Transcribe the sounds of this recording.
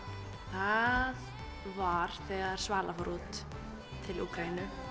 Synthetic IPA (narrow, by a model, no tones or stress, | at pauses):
θað | vaɾ̥θɛːɣaɾ̥svaːlʔafɔɾuːt̪ | t̪ʰːɪluːkɾainʏ